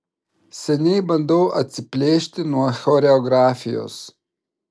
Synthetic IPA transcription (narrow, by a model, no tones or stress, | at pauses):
sʲɛnʲɛɪbɐnd̪ɔʊʔɐt̪ʲsʲɪpʲlʲeːʃʲt̪ʲɪnuɔxʲoːɾʲɛɔɡɾɑːfʲɪjo̰ːs